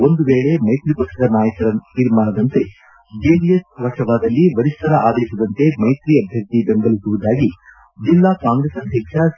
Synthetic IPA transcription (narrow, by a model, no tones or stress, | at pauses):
o̞nd̪uʋeːɭe̞mɐjt̪ɾipɐkʂɐd̪ɐnaːjɐkɐɾɐt̪iɾmaːnɐd̪ɐnt̪e̞ | d͡ʒeːɖiesʋɐʂɐʋaːd̪ɐlːiʋɐɾist̪ʰɐɾɐʔaːd̪ɐiʃud̪ɐnt̪e̞mɐjt̪ɾiɐbʱjɐkt̪ibenɡ̪ɐlisuʋud̪aːɡi | d͡ʒilːakaːŋɡɾesɐɦikʂa